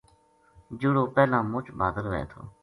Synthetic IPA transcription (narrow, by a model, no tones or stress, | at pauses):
d͡ʒʊɽoːpɛːlãːmʊt͡ʃʰbaːd̪əlʋḛːt̪ʰo̰ː